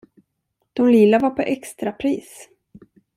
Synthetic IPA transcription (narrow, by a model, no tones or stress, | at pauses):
d̪̥ɔmlilavaɾpʰɔʔɛkst̪ɾapʰɾiːs